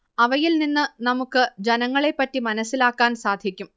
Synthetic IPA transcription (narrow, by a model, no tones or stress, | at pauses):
ɐʋɐjilninːɨnɐmukːɨd͡ʑɐnɐŋːɐɭe̞pːɐtːimɐnɐsːilaːkːaːnsaːd̪ʱjɐkʲːum